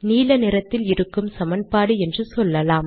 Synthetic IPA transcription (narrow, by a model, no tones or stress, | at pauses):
niːlɐnɪɾɐt̪ːɪlɪɾɯkːɯmsɐmɐnpaːɽɯɛndrɯsɔlːɐlaːm